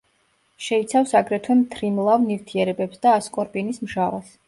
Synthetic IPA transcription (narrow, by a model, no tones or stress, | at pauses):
ʃɛit̪sʰafsaɡɾɛt̪ʰwɛmt̪ʰɾimlˠavniɾt̪ʰiɛɾɛbɛpsd̪aːskʼɔɾpʼinismʒava̰s